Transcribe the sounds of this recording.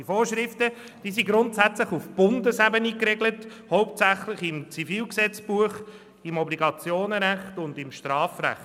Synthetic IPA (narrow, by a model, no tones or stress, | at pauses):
ifoːʃɾɪftə | d̥iːsiɡɾʊntsæt͡sləχufb̥ʊndəsæbənikɾeɡlət | hɔʊp̚tsæχlɪχɪmt͡sifiːlksɛt͡sb̥uəχ | ɪmɔbliɡɑt͡sjoːnɾæχtʊndɪmʃtɾɑːfræ̰χt